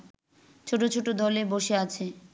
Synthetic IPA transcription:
t͡ɕʰoʈot͡ɕʰoʈod̪ɔleboʃeat͡ɕʰe

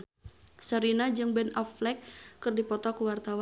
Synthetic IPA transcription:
səɾinad͡ʒɨŋbɛnɔflɛkːɨrdipɔt̪ɔkuwart̪aw

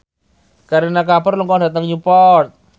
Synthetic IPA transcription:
kaɾinakapɔrlɔŋkɔŋdat̪aŋɲupɔrt̪̚

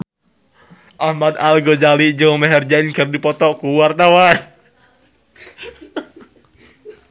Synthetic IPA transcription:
ʔahmad̪alɡod͡ʒalid͡ʒɔmɛɦɛrd͡ʒainkɨrdipɔt̪ɔkuwart̪awan

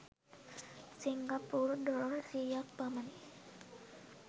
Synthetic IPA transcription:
siŋɡapurdɔɾɔrsijak̚bamani

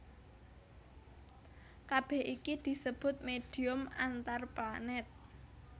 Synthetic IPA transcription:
kab̥ɛhikid̪̥i̤səb̥ʊ̤t̪̚med̥i̤ʊmant̪arplanɛt̪̚

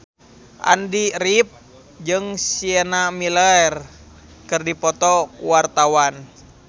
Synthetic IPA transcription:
ʔa̰ndiɾip̚ | d͡ʒɨŋsiɛnamilɛɛr | kɨrdipɔt̪ɔwart̪awan

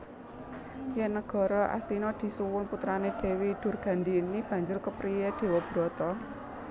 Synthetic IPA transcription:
jɛnːəɡ̥ɔ̤ɾɔʔa̰st̪inɔd̪̥i̤suwʊnput̪ɾaned̪̥e̤wid̪̥ʊ̤rɡ̥a̤nd̪inib̥ä̤ɲd͡ʒʊrkəpɾijed̪̥e̤wɔb̥ɾɔt̪ɔ

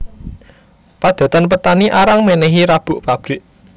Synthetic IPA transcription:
pad̪̥a̤t̪anpət̪aniʔaɾaŋmenɛɦiɾab̥ʊ̤ʔpab̥ɾɪʔ

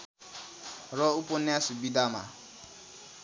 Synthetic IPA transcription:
ɾɔuponɪasubidama̰

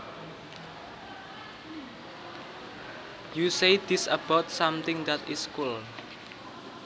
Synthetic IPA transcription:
jusejd̪̥ɪsəb̥at̪̚samt̪ɪŋd̪at̪iskul

